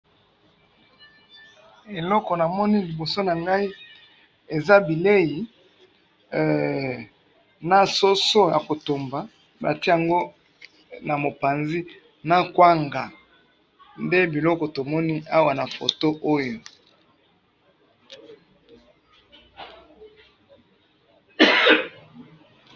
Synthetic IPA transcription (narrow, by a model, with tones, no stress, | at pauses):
e˨lɔ˦kɔ˨na˨mɔ˦ni˦li˨bo˨so˦na˨ŋɡa˦i˦ | e˨za˦bi˨le˦ji˨ | na˨so˦so˦ja̰˨ko˨to˨mba˨ | ba̰˨ti˦ja˨ŋɡo˦ | na˨mo˨pa˨nzi˦ | na˦kwa˦ŋɡa˨ | nde˦bi˨lɔ˦kɔ˨to˨mɔ˦ni˦a˦wa˨na˨fo̰˨to˦ʔo˦jo˨